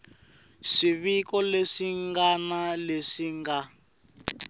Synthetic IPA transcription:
ʂiβikɔleʂiŋɡanaleʂiŋɡa

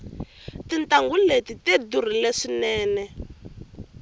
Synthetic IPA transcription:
tintaŋɡuletited̪ur̤ileʂinɛːnɛ

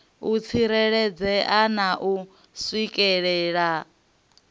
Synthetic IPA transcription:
ut͡sʰiɾɛɺɛd͡zɛʔanaʔu | swikʼɛɺɛːɺa

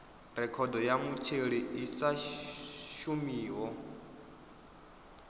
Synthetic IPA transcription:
ɾɛkʰɔdɔjamut͡ʃʰeɺiisa | ʃumiːɦɔ

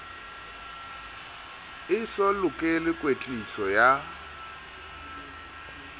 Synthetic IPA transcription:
ɪsɔlʊkʼɪlɪkʼwet͡ɬʼisɔja

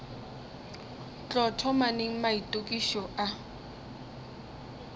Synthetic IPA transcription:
t͡ɬɔtʰɔmaneŋ̩maitʼokʼiʃɔʔa

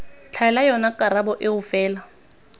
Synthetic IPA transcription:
t͡ɬʰaɛlajɔnakʼaɾabɔʔɪɣʊfɛːla

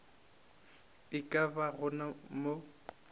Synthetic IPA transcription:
ɪkʼabaɣʊnamo

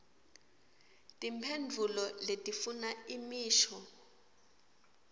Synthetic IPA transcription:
tʼimpʰend͡ɮʱulɔletʼifunaimiːʃɔ

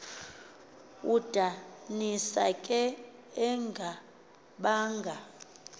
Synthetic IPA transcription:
ud̥ʱanisakʼɛɛŋɡʱa | ɓaːŋɡʱa

